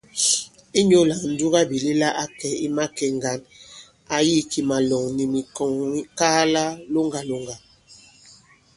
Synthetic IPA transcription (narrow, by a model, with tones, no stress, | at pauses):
i˦ɲo˦la˨n̩˨˦du˦ɣa˦bi˨li˦la˦ʔa˦kɛ˨i˦ma˦kɛ˨ŋɡa˨n | a˨ji˦ki˨ma˨lɔ˨ŋni˨mi˨kɔ˨ŋwi˦kaː˦la˦lo˦ŋɡa˨lo˦ŋɡa˨